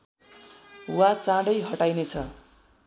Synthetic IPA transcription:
wat͡sãɽʌjɦʌʈajnet͡sʰʌ

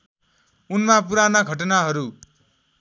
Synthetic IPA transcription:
unmapuɾanaɡʱʌʈʌnaɦʌɾu

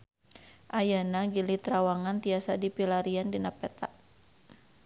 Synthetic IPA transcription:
ʔajanaɡilit̪ɾawaŋant̪iasadipilaɾiandinapɛt̪aʔ

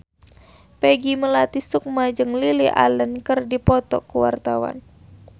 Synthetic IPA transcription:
pɛɡiməlat̪isuk̚mad͡ʒɨŋliliʔa̰lənkɨrdipɔt̪ɔkuwa̰rt̪awa̰n

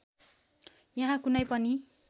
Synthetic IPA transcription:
jʌɦãkunʌjpʌni

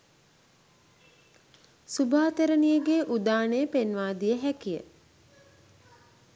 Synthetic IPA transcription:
subaːt̪eɾənijəɡeːʔud̪aːnejəpenʋaːd̪ijəɦækijə̰

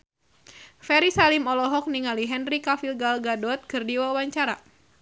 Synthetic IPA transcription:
fɛɾisalimɔlɔɦɔk̚niŋaliɦɛnrikafilɡalɡadɔt̪̚kɨrdiwauwaɲt͡ʃaɾa

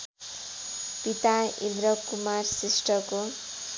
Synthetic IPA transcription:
pit̪aḭ̃nd̪ɾʌkumarsisʈʌko

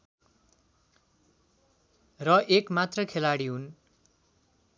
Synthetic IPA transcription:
rʌʔekmat̪rʌkʰelaɽiɦun

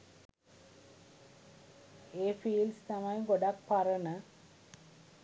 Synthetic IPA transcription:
eːfiːlst̪amajɡoɖak̚paɾənə

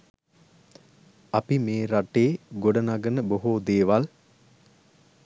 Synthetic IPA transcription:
apimeːɾaʈeːɡoɖənaɡənəboɦod̪eːʋal

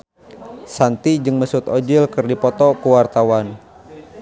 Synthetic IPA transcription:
sant̪id͡ʒɨŋməsʊt̪od͡ʒɪlkɨrdipɔt̪ɔkuwart̪awan

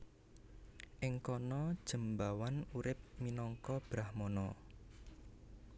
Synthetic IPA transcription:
ʔɪŋkɔnɔd̥ʒ̥ə̤mbawanuɾɪp̚minɔŋkɔb̥ɾahmɔnɔ

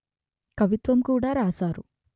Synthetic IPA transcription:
kɐʋit̪ʋɐmkuːɽaːɾaːsaːɾu

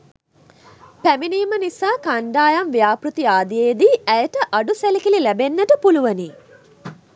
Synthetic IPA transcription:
pæminiːmɐnisaːkaɳɖaːjɐmʋjaːpɾut̪iaːd̪ijejd̪iæjeʈɐʔaɖuselikililæbenːɐʈɐpuluʋɐni

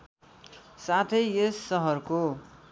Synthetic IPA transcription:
sat̪ʰʌjesːʌɦʌrko

